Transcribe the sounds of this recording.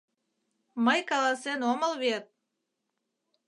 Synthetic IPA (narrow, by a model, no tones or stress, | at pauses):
məjkɑlˠɑsenoməlˠβet̪̚